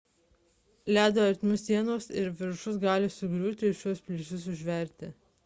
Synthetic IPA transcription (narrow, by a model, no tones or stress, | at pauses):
lʲæːd̪oɐɾʲt̪ʲmʲʊsːʲiɛnoːsɪɾʋʲɪɾʃʊs̬ɡɑːlʲɪsʊɡɾʲuːt̪ʲɪɪʃʲuɔspʲlʲɪsʲʊsʊʒʲʋʲɛˑɾʲt̪ʲɪ